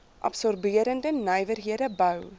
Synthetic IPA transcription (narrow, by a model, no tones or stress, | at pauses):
ʔɐ̰psɔrbiəɾəndənəjvərɦiədəbœw